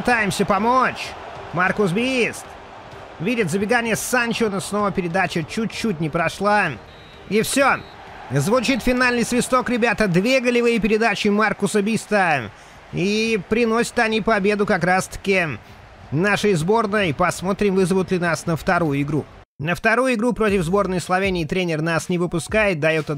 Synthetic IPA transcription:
pɨt̪ajɪmsʲəpɐmot͡ɕ | markʊsbʲist̪ | vʲidʲɪt̪zəbʲɪɡanʲɪjəsanʲt͡ɕonəsno̞vəpʲɪɾʲɪd̪at͡ɕət͡ɕut͡ɕːutʲnʲɪpɾɐʂlˠa | ifsʲo | zvʊt͡ɕit̪fʲɪnalʲnɨjsvʲɪst̪o̞kɾʲɪbʲat̪əd̪vʲeɡəlʲɪvɨjpʲɪɾʲɪd̪at͡ɕɪmarkʊsəbʲist̪ə | ipɾʲɪno̞sʲə̥t̪ɐnʲipɐbʲe̞d̪ʊkɐkɾast̪ə̥kʲɪ | naʂɨjzbo̞rnɨjpɐsmo̞t̪ɾʲɪmvɨzəvʊt̪lʲɪnasnəft̪ɐɾujʊɪɡɾu | nəft̪ɐɾujʊɪɡɾupɾo̞tʲɪvzbo̞rnɨjslˠɐvʲenʲɪːt̪ɾʲenʲɪrnasnʲɪvɨpʊskajɪt̪̚d̪ɐjot̪ə

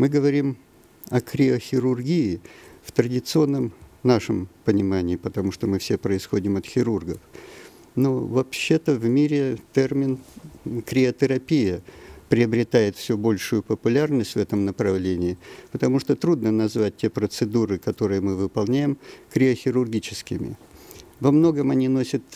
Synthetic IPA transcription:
mɨɡəvɐɾʲim | ɐkɾʲɪəxʲɪɾʊrɡʲiɪft̪ɾədʲɪt̪sɨo̞nːəmnaʂəmpənʲɪmanʲɪːpət̪ɐmuʂt̪omɨfsʲe̞pɾəɪsxo̞dʲɪmɐt̪xʲɪɾurɡəf | no̞vɐpɕːe̞t̪əvmʲiɾʲɪt̪ɛrmʲɪnkɾʲɪət̪əɾɐpʲijəpɾʲɪɐbɾʲɪt̪ajɪt̪fsʲɵbo̞lʲʂʊjʊpəpʊlʲarnəsʲtʲvɛt̪əmnəpɾɐvlʲenʲɪːpət̪ɐmuʂt̪ot̪ɾud̪nənɐzvat̚ʲtʲepɾət̪sɨd̪uɾɨkɐt̪o̞ɾɨjəmɨvɨpɐlˠnʲæjɪmkɾʲɪəxʲɪɾʊrɡʲit͡ɕɪskʲɪmʲɪ̰vɐmno̞ɡəmɐnʲino̞sʲət̪

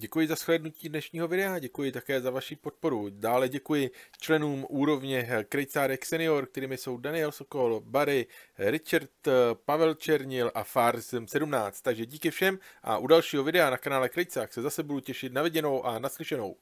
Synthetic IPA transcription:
ɟɛkujɪzasxlɛdnuciːdnɛʃɲiːɦo̞vɪdɛaɟɛkujɪt̪akɛːzavaʃipo̞t̪̚po̞ɾudaːlɛɟɛkujɪt͡ʃlɛnuːmʔuːɾo̞vɲɛkɾɛjt͡saːɾɛksɛnɪo̞ɾk̚t̪ɛɾiːmɪso̞wdanɪjɛlso̞ko̞lbaɾɪɾɪt͡ʃaɾt̪pavɛlt͡ʃɛɾɲɪlʔafaɾzmsɛdumnaːt͡st̪ːaɡʒɛɟiːkɪfʃɛmʔa̰ʔudalʃiːɦo̞vɪdɛanakanaːlɛkɾɛjt͡saːxsɛzasɛbuducɛʃɪt̪navɪɟɛno̞wʔanaslɪʃɛno̞̰w

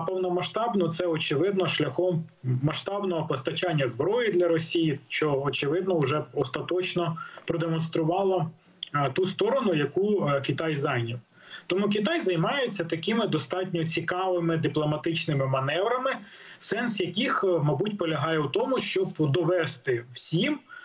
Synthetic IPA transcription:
pɔwnɔmɐʃt̪ɑbnɔt̪sɛɔt͡ʃɪʋɪd̪nɔʃlʲɐxɔmː | ɐʃt̪ɑbnɔɦɔpɔst̪ɐt͡ʃanʲːɐzbɾɔjid̪lʲɐɾɔsʲijiʃt͡ʃɔɔt͡ʃɪʋɪd̪nɔʊʒɛɔst̪ɐt̪ɔt͡ʃnɔpɾɔd̪emɔnst̪ɾʊʋɑlˠɔ | t̪ust̪ɔɾɔnʊjɐkukʲit̪ɑjzɑjnʲiw | t̪ɔmuk̬ʲit̪̬ɑjzɐjmɑjet͡sʲːɐt̪ɐkɪmɪd̪ɔst̪ɑtʲnʲɔt͡sʲikɑʋɪmɪd̪ɪplˠɔmɐt̪ɪt͡ʃnɪmɪmɐnɛʋɾɐmɪ | sɛnsjɐkixmɐbutʲpɔlʲɐɦɑjɛut̪ɔmʊʃt͡ʃɔbd̪ɔʋɛst̪ɪwsʲim

